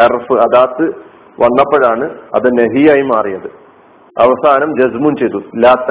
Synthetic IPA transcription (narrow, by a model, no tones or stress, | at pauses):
erfɨɐðaːt̪ːɨ | ʋɐnːɐpːɐɻaːɳɨɐ̰ðɨneɦijaːjimaːrijɐðɨ | ɐʋɐsaːnɐmd͡ʑɐzmunt͡ɕejt̪ːulaːt̪ː